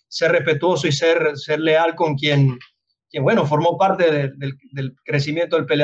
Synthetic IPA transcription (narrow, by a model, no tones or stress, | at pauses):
seɾrespe̞t̪wo̞soiseɾseɾlealko̞ŋkjen | kjenwe̞nofoɾmo̞paɾt̪eðed̪eld̪elkɾes̬imjent̪oðelpele